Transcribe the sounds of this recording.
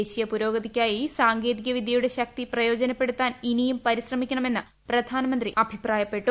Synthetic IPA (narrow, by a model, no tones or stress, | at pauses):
eɕijɐpuɾo̞ːɡɐðikʲːaːjisaːŋɡe̞ːðiɣɐʋid̪ʱjɐjuɽe̞ɕɐk̚t̪iprɐjo̞ːd͡ʑɐnɐpːe̞ɽut̪ːaːninijumpɐɾiɕrɐmikʲːɐɳɐme̞nːɨ | prɐd̪ʱaːnɐmɐnd̪riɐbʱipraːjɐpːe̞ʈːu